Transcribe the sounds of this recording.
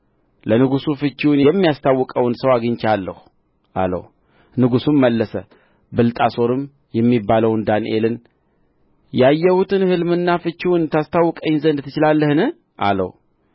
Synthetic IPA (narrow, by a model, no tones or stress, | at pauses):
lənɨɡusufɨt͡ʃːiwnjɛmːijast̪ʰawːɨkʼəwnsəwaɡɨɲt͡ʃalːə̰hu | ʔa̰lə̰w | nɨɡusumməlːəsə̰ | bɨlt̪ʼaso̞ɾɨm | jɛmːibːaləwnd̪anʔe̞̰lɨn | jajːɛhut̪ʰɨnhɨlmɨnːafɨt͡ʃːiwʊnt̪ʰast̪ʰawːɨkʼəɲzənd̪t̪ʰːɨt͡ʃɪlalːəhɨnɨh | ʔa̰lə̰w